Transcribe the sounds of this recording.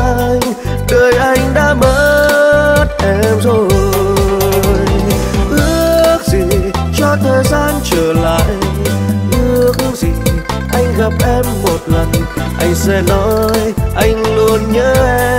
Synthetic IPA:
aː˧j | ɗəː˨˩jʔa˧jŋ̟ɗa̰ː˧˥məː˧˦ | t̚ʔɛ˧˩mzo˨˩ | jʔɨ˧˥ək̚zi˨˩ | t͡ɕɔ˧t̪ʰəː˨˩jzaː˧nt͡ɕəː˧˩la̰ː˧˨j | ʔɨ˧˥əək̚zḭ˨˩ʔa˧jŋ̟lə˨˩p̚ʔɛ˧mːo˨˩t̚lə˨˩n | ʔa˧jŋ̟sɛ̰˧˥nɔ˨˦jʔa˧jŋ̟lu˧ənɲəː˧˦

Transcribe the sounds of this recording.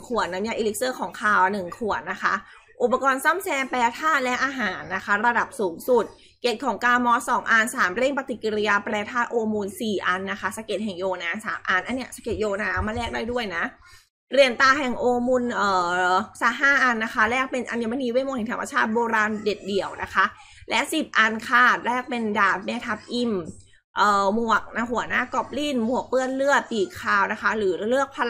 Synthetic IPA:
kʰu˨˩ət̪̚na˦˥njia˧ʔiː˧le˦˥k̚sɤː˥˩kʰɔː˩˦ŋkʰaː˧˩wnɯ˨˩ŋkʰu˨˩ət̪̚na˦˥kʰa˦˥ | ʔu˨˩pːa˧kɔː˧nsa˥˩msɛː˧pɛː˧t̪ʰaː˥˩t̪̚lɛ˦˥ʔaː˧ɦaː˩˦nːa˦˥kʰa˦˥ɾa˧da˨˩p̚suː˩˦msu˨˩t̪̚ | ke˨˩t̪̚kʰɔː˩˦ŋkaː˧mɔː˦˥sɔː˩˦ŋʔa˧nsaː˩˦mɾe˥˩ŋpa˧t̪i˨˩kːi˧ɾi˧jaː˧pɾɛː˧t̪ʰaː˥˩t̪̚ʔoː˧mu˧nsiː˨˩ʔa˧nːa˦˥kʰa˦˥sa˧ke˨˩t̪̚ɦɛ˨˩ŋjoː˧naː˦˥nsa̰ː˩˦mʔa˧nʔa˧nːi˦˥˩əsa˧ke˨˩joː˧naː˧a˦˥maː˧lɛː˥˩k̚daː˥˩du˥˩əjna˦˥ʔ | ɾi˧ənt̪aː˧ɦɛ˨˩ŋʔoː˧mu˧nʔɤː˨˩saː˨˩˦ɦaː˥˩ʔa˧nːa˦˥kʰa˦˥lɛː˥˩k̚pe˧nʔa˧nja˧˩ma˧niː˧˦we˦˥˩mo˧˨ŋhɛ˨˩ŋt̪ʰa˧mːa̰˧t͡ɕʰaː˥˩t̪̚boː˧ɾaː˧nde˨˩t̪̚di˨˩˦əwnʔa˦˥kʰa˦˥ʔ | lɛ˦˥ʔsi˨˩p̚ʔa˧nkʰaː˨˩t̪̚lɛː˥˩k̚pe˧ndaː˨˩t̪̚meː˧t̪ʰa˨˧˩p̚ʔi˧m | ʔɤː˨˩mu˨˩ək̚na˦˧˩ɦu˩˦ɐnaː˥˩kɔ˦˥˩p̚li˥˩nmu˨˩ək̚pɯ˥˩ənlɯ˥˩ət̪̚piː˨˩kʰːaː˧wna˦˥kʰa˦˥ɾɯː˩˦lɯ˥˩ək̚pʰa˧

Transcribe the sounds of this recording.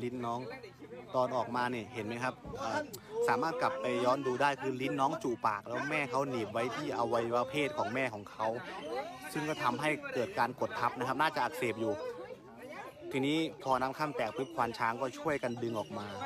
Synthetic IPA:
li˦˥nːɔː˦˥ŋt̪ɔː˧nʔɔː˨˩k̚maː˧niː˧˩he˩˦nm˧˦˥kʰa˦˥p̚ʔaː˧˩saː˩˦maː˥˩t̪̚kla˨˩pːa˧jːɔː˧˥nduː˧daː˥˩jkʰɯː˧li˦˥nːɔː˦˥ŋt͡ɕuː˨˩paː˨˩k̚lɛː˦˥wmɛː˥˩kʰa˦˥wniː˨˩t̪̚wa˦˥jt̪ʰiː˥˩ʔa˧wːa˦˥jwaː˧˥pʰeː˥˩t̪̚kʰɔː˩˦ŋmɛː˥˩kʰɔː˩˦ŋkʰa˦˥w | sɯ˥˩ŋkɔː˥˩t̪ʰa˧mɦa˥˩jkɤː˨˩t̪̚kaː˧nko˨˩t̪ʰːa˦˥p̚na˦˥kʰa˦˥p̚naː˥˩t͡ɕa˨˩ʔa˨˧k̚seː˨˩p̚juː˨˩ | t̪ʰiː˧niː˦˥pʰɔː˧na˦˥mkʰa˥˩mt̪ɛː˨˩k̚pʰɯ˦˥p̚kʰwaː˧nt͡ɕʰaː˧˥ŋkɔː˥˩t͡ɕʰu˥˩əjka˧ndɯ˧ŋʔɔː˨˩k̚maː˧

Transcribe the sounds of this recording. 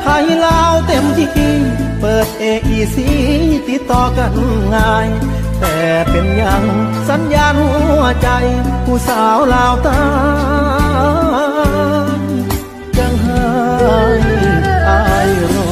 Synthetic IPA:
pʰaː˧hi˧˩laː˧wt̪e˧˩mt̪i˧ki˧˥pɤː˨˩t̪̚ʔeː˧˩kʔiː˧˩si˧˥˧t̪i˧˥t̪ːɔː˧ka˧˩nŋaː˧j | t̪ɛː˨˩pe˨˧nɲa˧ŋ | sa˨˦njaː˧nhu˧˦˧ɐ˨t͡ɕa˧jkʰuː˧˩saː˨˦wlaː˧wt̪a˧˥˧ | ŋ | t͡ɕa˧ŋɦa˧ | ʔa˧jnɔ˧˩

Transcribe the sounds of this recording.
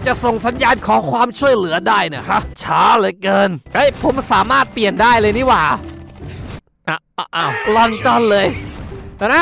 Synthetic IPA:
t͡ɕa˨˩so˨˩ŋsa˨˦njaː˧nkʰɔː˨˩˦ŋkʰwaː˧mt͡ɕʰu˥˩əjlɯ˩˦ɐdaː˥˩jni˧˥˩ɐkʰa˦˥ʔt͡ɕʰaː˦˥lɤː˧jkɤː˧nʔɤ˦˥˩jpʰo˩˦msaː˩˦maː˥˩t̪̚pli˨˩əndaː˥˩jlɤː˧niː˦˥˩waː˨˩ | ʔa˧˩ʔʔaː˧˩wlɔ˧nt͡ɕɔ˧nlɤː˧j̪ʰaː˧˩na˦˥

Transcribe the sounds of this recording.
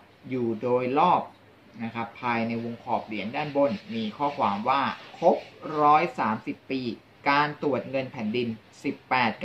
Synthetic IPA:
juː˨˩doː˧jlɔː˥˩p̚ | na˦˥kʰa˦˥pʰːaː˧jna˧jwo˧ŋkʰɔː˨˩p̚li˩˦əŋdaː˥˩nbo˧˩nmiː˧kʰɔː˥˩kʰwaː˩˦mwaː˥˩kʰo˦˥p̚ɾɔː˦˥jsaː˩˦msi˨˩pːiː˧ | kaː˧nt̪u˨˩ət̪̚ŋɤ˧npʰɛ˩˦ndi˧n | si˨˩pːɛː˨˩t̪̚k

